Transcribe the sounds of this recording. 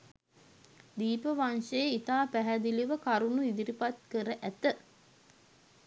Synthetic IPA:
d̪iːpəʋanʃeit̪aːpæɦæd̪iliʋəkaɾunuid̪iɾipat̪̚kəɾəʔæt̪ə

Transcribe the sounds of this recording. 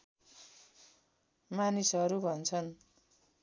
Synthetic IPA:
manisʌɾubʱʌnt͡sʰʌn

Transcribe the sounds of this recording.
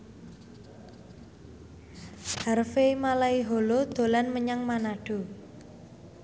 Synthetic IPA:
harfemalaiɦolod̪̥o̤lanməɲaŋmanaɖ̥o̤

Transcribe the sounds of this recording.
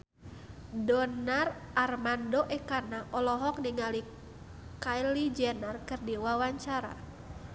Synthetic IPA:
dɔnarʔarmandɔʔɛkanaʔɔlɔɦɔk̚niŋali | kajlid͡ʒɛnarkɨrdiwawaɲt͡ʃaɾa̰

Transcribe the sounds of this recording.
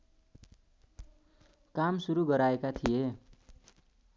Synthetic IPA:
kamsuɾuɡʌɾaekat̪ʰije

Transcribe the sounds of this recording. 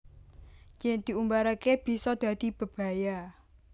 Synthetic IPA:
t͡ʃɪŋd̪̥i̤umbaɾakeb̥i̤sɔd̪̥ä̤d̪̥i̤b̥ə̤b̥a̤ja

